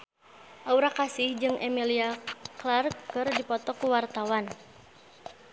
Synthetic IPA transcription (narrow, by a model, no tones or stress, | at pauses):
ʔauɾakasɪhd͡ʒɨŋʔɛmiliaklarkɨrdipɔt̪ɔkuwart̪awan